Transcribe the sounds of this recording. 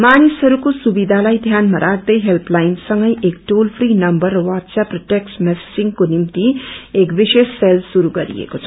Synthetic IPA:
manisɦʌɾukosubid̪ʱalajd̪ʱjanmaɾʔak̚d̪ʌjɦelplajnsʌŋɡʌjekʈolpʰrinʌmbʌrːʌwatsaprʌʈeksmessiŋkonimt̪iekbisesːelsuɾuɡʌɾḭḛkot͡sʰʌ̥

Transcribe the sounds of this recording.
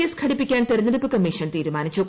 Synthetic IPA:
eskʰɐɽipːikʲːaːnt̪eɾɐnːɐðupːɨkɐmːiːʂɐnt̪iːɾumaːnit͡ɕːu

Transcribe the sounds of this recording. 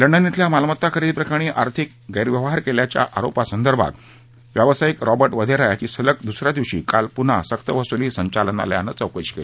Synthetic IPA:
ləɳɖənːit̪ʰljamalmət̪ːakʰəɾiːd̪̚pɾəkaɽ̃iːʔaɾt̪ʰik | ɡəjɾʋjəʋɦaɾkeljat͡ɕja̰ʔa̰ɾopasənd̪əɾbʱa̰t̪ | ʋjaʋsajikɾɔbəɾʈʋəd̪ʱeɾajat͡ɕiːsələk̚d̪usɾjad̪iʋɕḭːkalpun̤a̰sək̚t̪əʋəsuliːsəɲt͡ɕaləna̰lja̰nət͡səwkəɕkḛle

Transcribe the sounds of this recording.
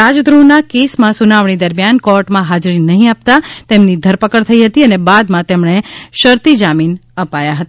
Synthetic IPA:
ad͡ʒd̪ɾũnakesmãsunaʋɳ̃id̪əɾmjankɔɾʈmãɦad͡ʒɾinəɦĩap̚t̪at̪emnid̪ʱəɾpəkəɾt̪ʰəiɦət̪iənebad̪mãt̪emɳeʃəɾt̪id͡ʒaminəpajaɦət̪a

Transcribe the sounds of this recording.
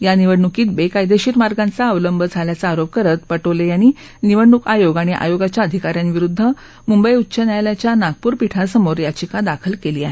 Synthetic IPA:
janiʋəɽɳukiːt̪̚bekajd̪eɕiɾmaɾɡant͡saəʋləmbʱəd͡zʱaljat͡saːɾop̚kəɾət̪pəʈolejañi | niʋəɽɳukajoɡaɽ̃iʔa̰joɡat͡ɕjaəd̪ʱikaɾjanʋiɾud̪ʱːə | mumbəjutːɕənjajljat͡ɕjanaɡ̚puːɾpiʈʰasəmoɾjat͡ɕikad̪akʰəlkeliːaɦe

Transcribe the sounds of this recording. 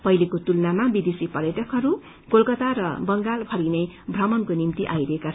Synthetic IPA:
pʌjlekot̪ulnamabid̪esipʌɾjʌʈʌkɦʌɾu | ɡolkʌt̪aɾʌbʌŋɡalpʰʌɾinʌjbʱrʌmʌnkonimt̪iʔajɾʌɦekat͡sʰʌn

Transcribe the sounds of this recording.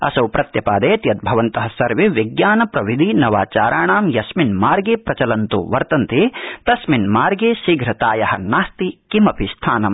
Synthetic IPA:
ɐ̰sɐwpɾɐt̪jɐpaːd̪eːt̪jɐt̪̚bʱɐʋɐnt̪ɐɦɐsɐɾʋeʋiɡjaːnɐpɾɐʋid̪ʱinɐʋaːt͡ʃaːɾaːɳaːmjɐsminmaːɾɡeːpɾɐt͡ʃɐlɐnt̪ṵʋɐɾt̪ɐnt̪eːt̪ɐsminmaːɾɡeːsiːɡɾɐt̪aːjɐhɐ̰̆naːst̪ikimɐpist̪ʰaːnɐm

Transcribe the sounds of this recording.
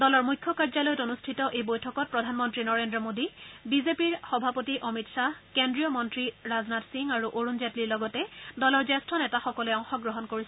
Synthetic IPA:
dɔlɔɹmujkʰːɔkaɹzalojɔtonustʰitɔʔejbojtʰɔkɔt̚pɹɔdʱanmɔntɹinɔɹendɹɔmodibizepiɹxɔbʱapotiʔɔmitsakendɹijɔmɔntɹiɹaznatsiŋaɹuʔoɹunzatliɹlɔɡɔtɛdɔlɔɹzɛstʰɔnɛtaxɔkɔlɛɔŋxɔɡɹɔɦɔnkoɹis

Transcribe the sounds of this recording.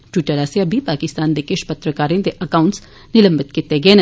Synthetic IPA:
ʈwɪʈəɾaseɐbʱipaːkɪst̪aːnd̪ekeʃpɐt̪ɾəkaːɾẽd̪eʔɐkaːʊ̃ɳʈs | nɪlə̃mbɪt̪kɪt̪eɡɐen

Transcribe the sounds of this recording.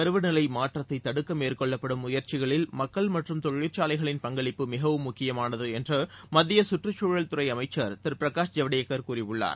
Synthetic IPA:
ɐɾɯʋɯnɪlɐɪmaːʈrɐt̪ːɐɪt̪ːɐɽɯkːɐmeːrkɔɭːɐpːɐɽɯmʊjɐɾt͡ʃɪɣɐɭɪlmɐkːɐɭmɐʈrɯmt̪ɔɭiɾt͡ʃaːlɐɪɣɐɭɪnpɐŋɡɐɭɪpːɯmɪɣɐʋɯmːʊkːɪjɐmaːnɐðɯɛndrɯmɐðːɪjɐsʊʈrɐt͡ʃːuːɻɐlt̪ʊɾɐɪɐmɐɪt͡ʃːɐɾt̪ɪɾpɪɾɐkaːʂd͡ʒɐʋɐɽɪjɐkːɐɾkuːrɪʋɯɭːa̰ːɾ

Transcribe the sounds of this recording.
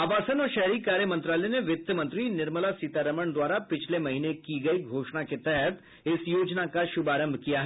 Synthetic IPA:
aːʋaːsənɔːɾʃɛɦɾikaːɾjəmɐ̃nt̪ɾaːlɛneʋɪt̪ʰːəmɐ̃nt̪ɾinɪɾməlasiːt̪aːɾəməɳd̪waːɾapɪt͡ʃʰlemɐɦiːnekiɡɐiɡʱoːʃñaket̪ɛɦət̪ | ɪsjoːd͡ʒnakaʃʊbaːɾə̃mbʱkijaɦɛ

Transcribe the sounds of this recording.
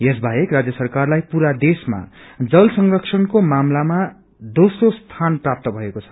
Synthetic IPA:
jes̬bʱajekrad͡zjʌsʌrkarlajpuɾad̪esma̰d͡zʌlsʌŋrʌksʰʌnkomamlama | d̪osrost̪ʰanprap̚t̪ʌbʱʌekot͡sʰʌ̥

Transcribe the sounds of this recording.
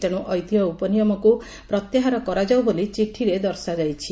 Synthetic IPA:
t̪eɽ̃uʔɔjt̪ijɔupɔnijɔmɔku | pɾɔt̪jaɦaɾɔkɔɾad͡ʒawbolit͡ʃiʈʰiɾed̪ɔɾsad͡ʒajt͡ʃʰi

